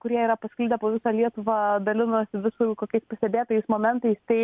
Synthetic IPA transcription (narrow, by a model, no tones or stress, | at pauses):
kʊɾʲiɛiːɾɐpɐsʲkʲlʲiːd̪ʲɛpoːʋʲɪsɐːlʲiɛt̪ʊʋɑːd̪ɐlʲɪnoːsʲɪʋʲɪsukoːkʲɛɪspɐsʲt̪ʲɛbʲeːt̪oːjɛɪsmoːmʲɛnt̪ɐɪst̪ɐɪ